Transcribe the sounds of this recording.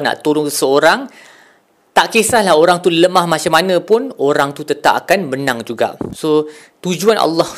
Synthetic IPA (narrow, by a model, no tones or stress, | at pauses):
na̰ʔt̪olʊŋsəoɾaŋ | t̪aʔkesahlahoɾaŋt̪uləmahmãt͡ʃamanə̃pʊnoɾaŋt̪ut̪ət̪a̰p̚akanbənaŋd͡ʒuɡa̰ʔso | t̪ud͡ʒuana̰lːɔh